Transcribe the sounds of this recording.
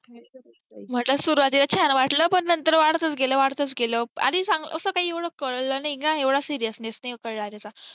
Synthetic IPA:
m̤əʈləsuɾuʋat̪ilat͡ɕʰanʋaʈləːpəɳnənt̪əɾʋaɽt̪ət͡sɡeləːʋaɽt̪ət͡sɡeləa̰d̪iːsaŋɡlə̰əsəːkaɦiːeʋɽəkəɭlənaiknãeʋɽasiɾijəsnejsnajkəɭlaɾat͡sa

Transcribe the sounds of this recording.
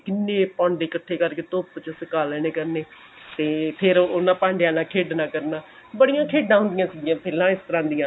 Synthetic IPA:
kɪnːeːpɔ̃ːɳɖeːkəʈʰːeːkəɾkeːt̪oːpt͡ʃəsɪkaːlɛːneːkəɾneː | t̪eːpʰɪɾoːnãːpãːɳɖejãːnãːkʰeːɖnaːkəɾnaː | bəɽijãːkʰeːɖãːɦʊnd̪ɪjãːsɪɡiãːpʰeːlãːɪst̪əɾãːnd̪ɪjãː

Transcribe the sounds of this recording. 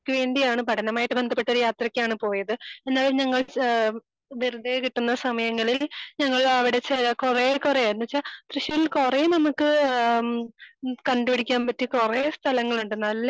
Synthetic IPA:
kːɨʋe̞ːɳɖijaːɳɨpɐʈʰɐnɐmaːjiʈːɨbe̞nd̪ʱɐpːeʈːɐo̞ɾujaːt̪rɐkʲːaːɳɨpo̞ːjɐðɨe̞nːaːlumɲɐŋːɐɭ | ʋeɾud̪ekiʈːunːɐsɐmɐjɐŋːɐɭilɲɐŋːɐɭɐʋiɽe̞t͡ɕejakurekurejaːɾunːut͡ɕːat̪rɨɕjɐʋilkurejunɐmukːɨ | kɐɳɖubiɽikʲːaːnpɐtːikurest̪ʰɐlɐŋːɐɭuɳɖenːɐlːe

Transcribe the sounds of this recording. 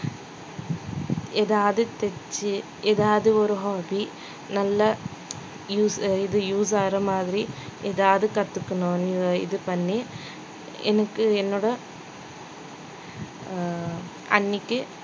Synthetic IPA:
eːðaːðɨt̪et͡ʃːɨ | eːðaːðɯoɾuɦoːbi | nɐlːɐ | juːsiðɨjuːsaːrɐmaːðɾieːðaːðɯkɐt̪ːɯkːɐɳoːnḭðɨpɐnːe | enɐkːɨenːoɽɐ | ɐ̰nːikʲːɨ

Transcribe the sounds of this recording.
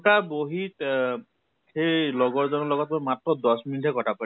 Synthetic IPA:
ʈaboɦit | hejlɔɡɔɹzɔnɔlɔɡɔt̪̚mɔjmatɹɔd̪ɔsminitʰɛkɔtʰapa

